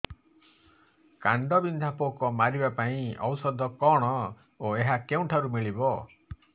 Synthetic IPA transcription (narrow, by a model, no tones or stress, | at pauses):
kaɳɖɔbind̪ʱapokɔmaɾibapaĩɔwsɔd̪ʱɔkɔɽ̃ɔ | oeɦakeũʈʰaɾumiɭibɔ